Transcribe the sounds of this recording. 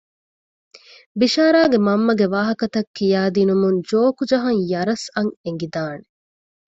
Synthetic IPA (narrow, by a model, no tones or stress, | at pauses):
biʃaːɾaːɡemɐmːɐɡeʋaːɦɐkɐt̪ɐkːijaːd̪inumund͡ʒoːkud͡ʒɐɦɐŋjɐɾɐsɐŋeŋɡid̪aːne